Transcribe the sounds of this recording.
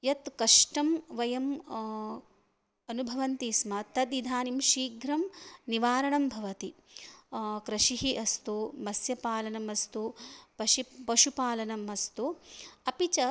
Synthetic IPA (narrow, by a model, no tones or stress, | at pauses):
jɐt̪kɐʂʈɐmʋɐjɐm | ɐnubʱɐʋɐnt̪iːsmɐt̪ɐd̪id̪ʱaːnimʃiːɡɾɐmniʋaːɾɐɳɐmbʱɐʋɐt̪i | kɾɐʃiɦiʔɐst̪umɐsjɐpaːlɐnɐmɐst̪upɐʃipɐʃupaːlɐnɐmɐst̪uɐpit͡ʃɐ